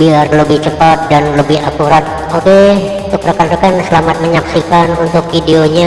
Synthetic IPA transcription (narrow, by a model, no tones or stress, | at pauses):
biarləbɪht͡ʃəpat̪̚danləbɪhakuɾat̪̚ | obɛhut̪ʊk̚pərəkanɾəkansəlamat̪̚məɲaksikanunt̪ʊk̚fideoɲa